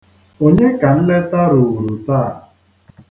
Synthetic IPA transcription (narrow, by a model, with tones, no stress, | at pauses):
o˦ɲe˦ka˨n̩˦le˦ta˦ɾʊ˨ɣu˨ɾu˨ta˦˨